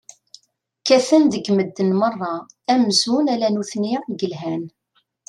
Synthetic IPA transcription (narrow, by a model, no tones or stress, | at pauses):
kæθənðəɡməd̪ːənmərˤːɑ | æmzunælænuθninɡəlɦæn